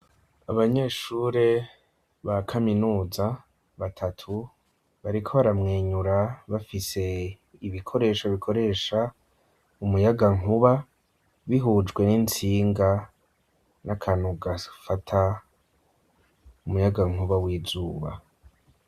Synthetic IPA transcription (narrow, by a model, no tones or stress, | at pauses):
aβaɲe̞ːʃuːɾe̞ | βakʰaminuːza | βatʰatʰu | βaɾikʰo̞βaɾamŋeːɲuɾaβafise̞ | iβikʰo̞ɾe̞ːʃoβikʰo̞ɾe̞ːʃa | umujaɡaŋuβa | βiɦuːd͡ʒɡwe̞nint͡siːŋɡa | nakʰanuɡafatʰa | umujaɡaŋ̥uβawiːzuːβa̰